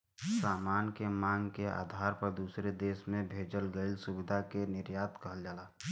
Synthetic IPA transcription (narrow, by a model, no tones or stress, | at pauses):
saːmaːnkemãːŋɡkea̰ːd̪ʱaːɾpəɾd̪uːsɾed̪eːsmẽbʱeːd͡ʒəlɡəɪlsʊbɪd̪ʱakenɪɾjaːt̪kəɦəld͡ʒaːlaː